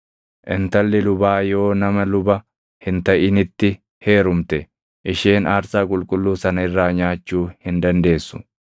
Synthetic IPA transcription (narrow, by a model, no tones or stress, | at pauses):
ʔɪnt̪ɐlːɪlʊbaːjo̞ːnɐmɐlʊbɐ | hɪnt̪ɐʔɪnɪt̪ːɪ | he̞ːɾʊmt̪ɛ | ʔɪʃeːnaːɾsaːkʼʊlkʼʊlːuːsɐnɐɪrːaːɲaːt͡ʃːuːhɪnd̪ɐnd̪e̞ːsːʊ̥